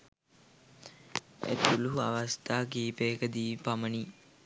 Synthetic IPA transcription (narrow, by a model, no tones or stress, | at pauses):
ḛt̪uluɦuaʋast̪aːkiːpeːkəd̪iːpaməni